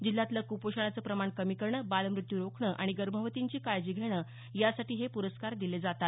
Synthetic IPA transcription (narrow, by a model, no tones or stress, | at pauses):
d͡ʑilːat̪ləkupoɕaɳ̃at͡səːpɾəmaɳkəmikəɾɳəbalmɾut̪juɾokʰɳəʔa̰ɽ̃iɡəɾm̤əʋət̪iɲt͡ɕiːkajd͡ʑiːɡʱeɽ̃əː | jasaʈiːɦepuɾəskaɾd̪iled͡zat̪at̪